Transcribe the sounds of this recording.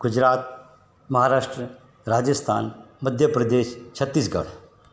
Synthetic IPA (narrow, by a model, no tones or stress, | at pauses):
ɡ̥ud͡ʒɾaːt̪̚ | mɐɦaɾaːʂʈɾə | ɾaːd͡ʒəst̪ʰa̰ːnməd̪ʱjəpɾɐd̪eːʃt͡ʃʰət̪ːiːsɡɐ̰ɽ